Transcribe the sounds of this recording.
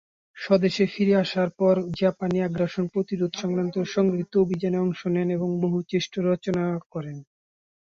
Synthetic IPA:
ʃɔd̪eʃefiɾeaʃaɾpɔɾd͡ʑapaniaɡɾaʃonpɾot̪iɾod̪ʱʃɔŋkɾant̪oɾʃɔŋɡɾit̪ːoobʱid͡ʑaneɔŋʃoneneboŋboɦut͡ɕeʃʈoɾɔt͡ɕonakɔɾen

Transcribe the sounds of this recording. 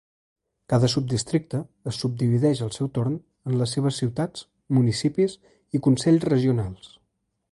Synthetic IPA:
kaðəsub̚d̪ist̪ɾik̚t̪əːsːub̚d̪iβiðɛʃəlˠsɛwt̪oɾn | ənləsːeβ̞əsiwt̪ad͡z | munisipis | ikunsɛʎzrəʒiunalˠs

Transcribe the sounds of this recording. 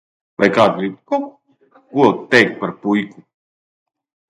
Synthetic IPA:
vajkaːd̪ɡɾip̚kɔk | kuɔt̪ːɛjk̚paɾpujku

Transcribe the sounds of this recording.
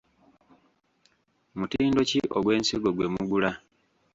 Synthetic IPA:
mutiːndo̞ciʔoɡwe̞ːnsiɡo̞ɡwe̞muɡula

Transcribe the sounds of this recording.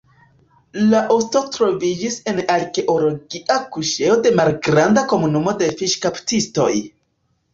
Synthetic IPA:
laʔosto̞tɾo̞vid͡ʒise̞naɾke̞ʔolo̞ɡiʔakuʃe̞o̞de̞malɡɾandako̞munumo̞de̞fiʃkaptisto̞̰j

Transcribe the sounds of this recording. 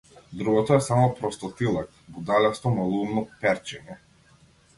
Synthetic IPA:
d̪ɾuɡɔt̪ɔɛsamɔpɾɔst̪ɔt̪ilˠak | bud̪alɛst̪ɔmalˠumnɔpɛɾt͡ʃɛɲɛ

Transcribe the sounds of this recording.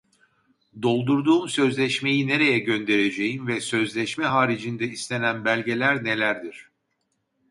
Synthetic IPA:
d̪o̞lˠd̪uɾd̪uːmsø̞zlʲɛʃme̞jine̞ɾe̞jɛɟø̞nd̪e̞ɾed͡ʒe̞jimvɛsø̞zlʲɛʃmɛɦaːɾid͡ʒind̪ɛislʲe̞nænbælʲɟe̞lʲæɾne̞lʲæɾd̪iɾ̥

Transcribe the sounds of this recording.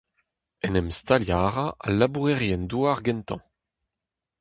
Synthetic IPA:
ɛnɛmst̪aljaːʁaʔalabuʁɛʁjɛnduaʁɡɛnt̪ɑ̰̃

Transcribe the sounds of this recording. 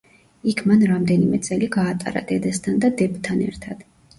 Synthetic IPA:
ikʰmanɾamd̪ɛnimɛt̪sʼɛliɡaːt̪ʼa̰ɾa̰d̪ɛd̪ɛst̪ʰand̪ad̪ɛbt̪ʰanɛ̰ɾt̪ʰad̪̥

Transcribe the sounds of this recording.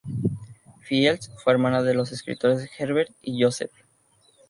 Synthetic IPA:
fielsfweɾmãnaðelo̞s̬e̞skɾḭt̪o̞ɾesxeɾβeɾt̪iʝosḛf

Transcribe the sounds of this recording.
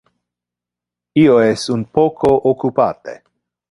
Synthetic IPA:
ioesunpokʰoʔokupat̪ḛ

